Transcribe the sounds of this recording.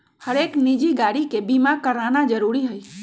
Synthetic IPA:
həɾeknid͡ʒiɡaɽikebimakəɾanad͡ʒəɾuɾiɦəj

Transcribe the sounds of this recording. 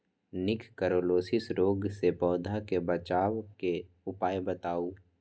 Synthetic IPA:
nɪkʰkəɾoːloːsɪsɾoːɡsepɔːd̪ʱakebət͡ʃaːwke | ʊpaːjbət̪aːuː

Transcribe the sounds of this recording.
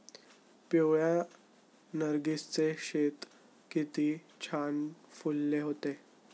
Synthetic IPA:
pjoɭja | nəɾɡist͡seɕet̪ | kit̪iː | t͡ɕʰanfulːeɦot̪e

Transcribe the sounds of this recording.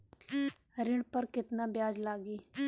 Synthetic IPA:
ɾɪɳpəɾkɪt̪naːbjaːd͡ʒlaːɡiː

